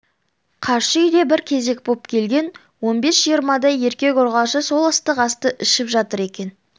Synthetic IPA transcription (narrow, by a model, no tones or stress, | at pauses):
qʰɑɾʃəʏjd̪e̞bɪɾkʲʰe̞ze̞k̚bo̞p̚kʲʰe̞lɡʲe̞n | wo̞nbe̞sʒ̥ijəɾmɑd̪ɑje̞ɾkʲe̞koɾʁɑʃəso̞lˠɑst̪əqɑst̪əʔɪʃɪpʒɑt̪əɾe̞kʲe̞n